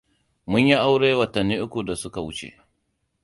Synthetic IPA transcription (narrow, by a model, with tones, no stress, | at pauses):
mʊ˦ɲji˦ʔa˦wɽeː˦wɐ˨tɐ˨nːiː˦ʔʊ˦kʷu˨da˨sʊ˦ka˨wʊ˦t͡ʃḛ˨ʔ